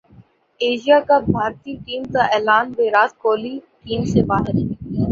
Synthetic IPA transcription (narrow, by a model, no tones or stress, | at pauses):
eːʃijakabʱaːɾt̪iʈiːmkaʔɛːlaːnbeːɾaːt̪koːliʈiːmsebaːɦɪɾ